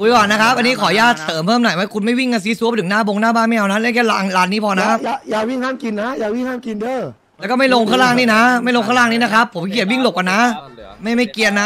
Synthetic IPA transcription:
kʰu˧jkwaː˨˩na˦˥kʰa˦˥p̚ʔa˧nːiː˦˥kʰɔː˩˦jaː˥˩t̪̚sɤː˩˦mpʰɤː˥˩mnɔ˨˩˦jwa˦˥kʰu˧nma˥˩jwi˥˩ŋka˧s̬i˧˦˥su˦˥əp̚t̪ʰɯ˩˦naː˥˩bo˧ŋnaː˥˩baː˥˩nma˥˩ʔa˧wna˦˥˦kʰɛ˥˩la˧ŋlaː˧nːi˦˥pʰɔː˧na˦˥jaː˨˩jaː˨˩k̚wi˥˩ŋhaː˥˩mki˧nːa˦˥jaː˨˩wi˥˩ŋhaː˥˩mki˧ndɤː˧˥˩ | lɛː˦˥kɔː˥˩ma˥˩jlo˧ŋkʰaː˥˩wlaː˥˩ŋniː˥˩na˦˥ma˥˩jlo˧ŋʰa˥˩˧laː˥˩ŋniː˦˥˩na˦˥kʰa˦˥pʰːo˩˦mki˨˩əwi˥˩ŋlo˨˩k̚a˨˩na˦˥ma˥˩jma˥˩jki˧ənna˦˥

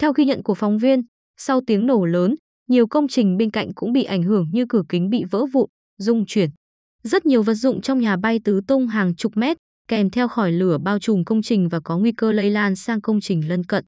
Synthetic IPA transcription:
t̪ʰɛ˧wxi˧ɲə̰˧˨nku˧˩əfɔ˨˦wŋ͡mvi˧ən | sa˧wt̪i˨˦əŋno˧˩ləː˨˦n | ɲi˨˩əwkə˧wŋ͡mt͡ɕï˨˩ŋ̟ɓe˧nka̰˧˨jŋ̟kʊ̰˧˥ŋ͡mɓḭ˧˨ʔa˧˩jŋ̟ɦɨ˧˩əŋɲɨ˧kɨ˧˩əkï˨˦ŋ̟ɓḭ˧˨və̰ː˧˥vṵ˧˨ | zʊ˧ŋ͡mt͡ɕwi˧˩ən | zə˦˥t̚ɲi˨˩əwvə˨˩t̚zʊ̰˧˨ŋ͡mt͡ɕɔ˧wŋ͡mɲaː˨˩ɓa˧jt̪ɨ˨˦t̪ʊ˧ŋ͡mɦaː˨˩ŋt͡ɕʊ˨˩k͡p̚mɛ˦˥t̚ | kɛ˨˩mt̪ʰɛ˧wxɔ˧˩jlɨ˧˩əɓaː˧wt͡ɕʊ˨˩ŋ͡mkə˧wŋ͡mt͡ɕï˨˩ŋ̟vaː˨˩kɔ˨˦ŋwi˧kəː˧lə̰˧˨jlaː˧nsaː˧ŋkə˧wŋ͡mt͡ɕï˨˩ŋ̟lə˧nkə̰˧˨n

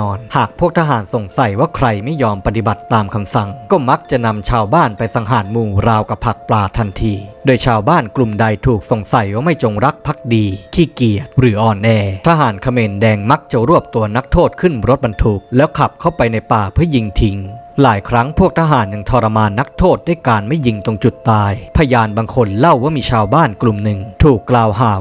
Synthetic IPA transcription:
ɔː˧nhaː˨˩k̚pʰu˥˩əkt̪ʰa˧ɦaː˩˦nso˨˩ŋsa˨˩jwaː˥˩kʰɾa˧jma˥˩jːɔː˧mpa˧t̪i˨ba˨˩t̪ːaː˧mkʰa˧msa˨˩ŋkɔː˥˩ma˦˥k̚t͡ɕa˨˩na˧mt͡ɕʰaː˧wbaː˥˩npa˧jsa˧˦ŋɦaː˩˦nmuː˧ɾaː˧wka˨˩pʰa˨˩k̚plaː˧t̪ʰa˧nt̪ʰiː˧doː˧jt͡ɕʰaː˧wbaː˥˩nklu˨˩mda˧jt̪ʰuː˨˩k̚so˨˩ŋsa˨˩jwaː˥˩ma˥˩jt͡ɕo˧ŋɾa˦˥k̚pʰa˦˥k̚diː˧kʰiː˥˩ki˨˩ət̪̚ɾɯː˩˦ʔɔː˨˩nʔɛː˧t̪ʰaː˦˧˥ɦaː˩˦nkʰa˧meː˧ndɛː˧ŋma˦˥k̚t͡ɕa˨˩ɾu˥˩əp̚t̪u˧ɐna˦˥k̚t̪ʰoː˥˩t̪̚kʰɯ˥˩nɾo˦˥t̪̚ba˧nt̪ʰu˦˥k̚lɛː˦˥wkʰa˨˩p̚kʰa˥˩wpa˧jna˧jpaː˨˩pʰɯ˥˩ji˧ŋt̪ʰi˨˦ŋlaː˩˦jkʰɾa˦˥ŋpʰu˥˩t̪ʰaː˧ɦaː˩˦nja˧ŋt̪ʰɔː˧ɾa˧maː˧nːa˦˥k̚t̪ʰoː˥˩t̪̚da˥˩jkaː˧nma˥˩jːi˧ŋt̪o˧ŋt͡ɕu˨˩t̪ːaː˧jpʰa˧jaː˧nbaː˧ŋkʰo˧nla˥˩wwːaː˥˩miː˧t͡ɕʰaː˧wbaː˥˩nklu˨˩mnɯ˨˩ŋt̪ʰuː˨˩kːlaː˧wɦaː˩˦

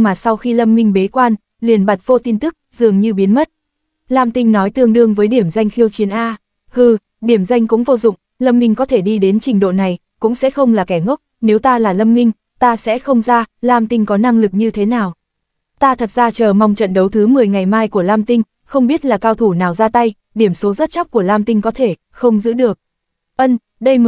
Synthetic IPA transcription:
maː˨˩sa˧wxi˧lə˧mŋï˧ŋ̟ɓe˨˦kwaː˧n | li˨˩ənɓa˨˩t̚vo˧t̪i˧nt̪ɨ˦˥k̚zɨ̰˨˩əŋɲɨ˧ɓi˨˦ənmə˦˥t̚ | laː˧mt̪ï˧ŋ̟nɔ˨˦jt̪ɨ˧əŋɗɨ˧əŋvəː˨˦jɗi˧˩əmza˧jŋ̟xi˧əwt͡ɕi˨˦ənʔaː˧ | ɣɨ˧˩ | ɗi˧˩əmza˧jŋ̟kʊ̰˧˥ŋ͡mvo˧zʊ̰˧˨ŋ͡m | lə˧mːï˧ŋ̟kɔ˨˦t̪ʰe˧˩ɗi˧ɗe˨˦nt͡ɕï˨˩ŋ̟ɗo̰˧˨na˨˩j | kʊ̰˧˥ŋ͡msɛ̰˧˥xə˧wŋ͡mlaː˨˩kɛ˧˩ŋo˦˥k͡p̚ne˨˦wt̪aː˧laː˨˩lə˧mŋï˧ŋ̟ | t̪aː˧sɛ̰˧˥xə˧wŋ͡mzaː˧laː˧mt̪ï˧ŋ̟kɔ˨˦na˧ŋlɨ˨˩k̚ɲɨ˧t̪ʰe˨˦naː˨˩w | t̪aː˧t̪ʰə˨˩t̚zaː˧t͡ɕəː˨˩ma˧wŋ͡mt͡ɕə̰˧˨nɗə˨˦wt̪ʰɨ˨˦mɨ˨˩əjŋa˨˩jmaː˧jku˧˩əlaː˧mt̪ï˧ŋ̟ | xə˧wŋ͡mɓi˦˥ət̚laː˨˩kaː˧wt̪ʰu˧˩naː˨˩wzaː˧t̪a˧j | ɗi˧˩əmso˨˦zə˦˥t̚t͡ɕa˦˥wk͡p̚ku˧˩əlaː˧mt̪ï˧ŋ̟kɔ˨˦t̪ʰe˧˩ | xə˧wŋ͡mzɨ̰˧˥ɗɨ˨˩ək̚ | ʔə˧n | ɗə˧j

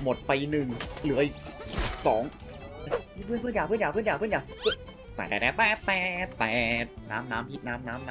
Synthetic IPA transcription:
mo˨˩t̪̚pa˧jnɯ˨˩ŋlɯ˨˩˦əjsɔː˩˦ŋ | a˧˩i˧˥˩pʰɯ˥˩npʰɯ˥˩˨njaː˨˩pɯː˥˩˨njaː˨˩pʰɯ˥˨njaː˨˩pʰɯ˥˨nja˨˩pʰɯ˦˥ | t̪ɛ̰ː˨˩ɛː˨˩ɛː˧˩pɛː˨˩p̪ɛː˨˩t̪pɛː˨˩t̪̚naː˦˥mnaː˦˥mpʰi˦˥˩t̪̚naː˦˥mnaː˦˥mnaː˦˥

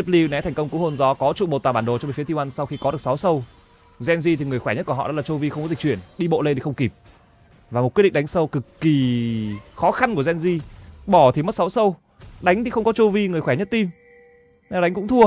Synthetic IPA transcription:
ə˦˥p̚li˧nɛ˨˦t̪ʰɛ˨˩jŋ̟kə˧wŋ͡mkɨ˨˦ho˧nzɔ˨˦kɔ˨˦t͡ɕṵ˧˨ɓo˨˩t̪waː˧˩ɓaː˧˩nɗo˨˩t͡ɕɔ˧ɓə˨˦fi˨˦t̪ʰi˧wa˧nsa˧wxi˧kɔ˨˦ɗɨ˨˩ək̚sa˨˦wsə˧w | zɛ˧nzi˧t̪ʰi˨˩ŋɨ˨˩əjxwɛ˧˩ɲə˦˥t̚ku˧˩ə˨ɔ̰˧˨ɔ̰˨˦laː˨˩t͡ɕo˧vi˧xə˧wŋ͡mkɔ˦zi˨˩k̚t͡ɕi˧˩ənɗi˧ɓo̰˧˨le˧t̪i˨˩xə˧wŋ͡mki˨˩p̚ | vaː˨˩m˨˩t̚ki˦˥ɗḭ˧˨ɗŋsə˧wkɨ˨˩kːi˨˩ | xɔ˨˦xa˧nku˧˩əzɛ˧nzi˧ɓɔ˧˩t̪ʰi˨˩mə˦˥t̚sa˨˦wsə˧w | ɗa˨˦jŋ̟t̪ʰi˨˩xə˧wŋ͡mkɔ˨˦t͡ɕo˧vi˧ŋɨ˨˩əjxwɛ˧˩ɲə˦˥t̚t̪i˧m | nɛ˧˨ɗa˨˦jŋkʊ̰˧˥ŋ͡mt̪ʰu˧ə

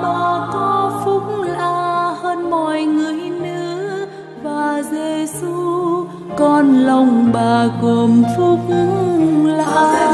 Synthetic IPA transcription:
ɓaː˨˩kɔ˨˦fʊ˧˦˥k͡p̚ŋ͡mla̰ː˧həː˧nmɔ˧˨jŋɨ˨˩˨əjnɨ̰˧˦˧ | vaː˨˩ze˧˩su˧ | kɔ˧˩nlə˧˩wŋ͡mɓaː˨˩ko˨˩əmfʊ˧˦k͡p̚ | la̰ː˧

